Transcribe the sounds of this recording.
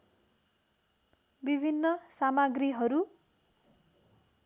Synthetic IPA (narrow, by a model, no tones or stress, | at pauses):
bibʱinːʌsamaɡriɦʌɾu